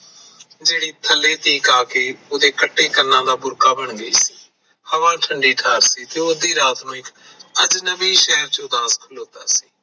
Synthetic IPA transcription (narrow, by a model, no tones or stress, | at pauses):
d͡ʒeːɽiːt̪ʰəlːeːt̪ʰiːkaːkeːʊd̪eːkəʈːeːkənãːd̪aːbʊɾkaːbəɳɡəḭːsiː | həʋãːʈʰəɳɖiːʈʰaːɾsiːt̪eːʊd̪iːɾaːt̪nũːɪk | əd͡ʒnəʋiːʃɛːəɾt͡ʃõd̪aːskʰʊloːt̪aːsi̥ː